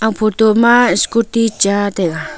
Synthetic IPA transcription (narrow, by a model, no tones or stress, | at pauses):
apʰut̪umaskut̪it͡ʃat̪eka